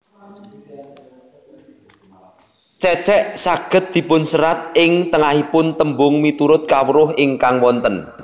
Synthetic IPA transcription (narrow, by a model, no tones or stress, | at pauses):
t͡ʃɛt͡ʃɛʔsaɡ̥ə̤t̪̚d̪̥i̤pʊnsəɾat̪̚ɪŋt̪əŋahipʊnt̪əmbʊŋmit̪uɾʊt̪̚kawəɾʊhɪŋkaŋwɔnt̪ən